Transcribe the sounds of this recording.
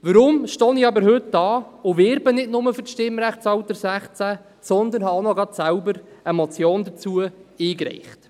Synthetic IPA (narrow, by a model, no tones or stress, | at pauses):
ʋəɾʊmʃtoːniɑbəɾhɵt̚dɑːʊʋɪɾbənɪdnʊməfʏɾʃtɪmːɾæχt͡sɑwt̪əɾsæχt͡sæ | sɔnd̪ənhɑonɔɡɑt̪sælbəɾəmɔt͡sjoːnd̪ət͡suəiːkɾɛ̰ɪχt